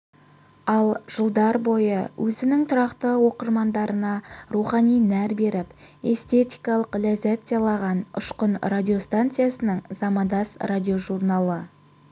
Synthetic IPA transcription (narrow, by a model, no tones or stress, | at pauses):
ɑlˠʒ̥əlˠd̪ɑɾbo̞jə̰wʔɵzɪnɪŋt̪ʰʊɾɑqt̪əwo̞qəɾmɑnd̪ɑɾənɑruχɑnijnæɾbe̞ɾɪp | e̞st̪e̞t̪ijkɑlˠəqlæzæt̪zjɑlˠɑʁɑnʊ̰ʃqənradʲio̞st̪ant̪sɨjasənəɴzɑmɑd̪ɑsradʲijo̞ʒurnalˠə